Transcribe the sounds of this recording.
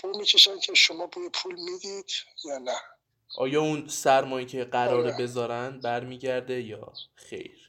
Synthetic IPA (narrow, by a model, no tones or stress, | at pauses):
b̥ulmiːcʰeʃæncʲʰeʃomɒːbujepʰulmiːd̪id̪̥jɒːnæ | ʔɒːjɒːunsæɾmɒːjiːcʰe̞ɢæɾɒːɾebe̞zɒːɾænd̪̚bæɾmiːɟæɾd̪ejɒ̰ːxḛjɾ